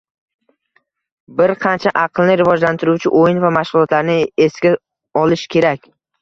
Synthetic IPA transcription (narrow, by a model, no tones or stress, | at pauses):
bɪɾqʰɑnt͡ʃʰaʔɑqʰlˠnɪɾɪvɒd͡ʒlant̪ʰɪɾuwt͡ʃʰɪʔojɪnvamaʃʁʊlˠɒt̪laɾnɪe̞sɡʲa | ɒlɪʃkʲʰe̞ɾakʲ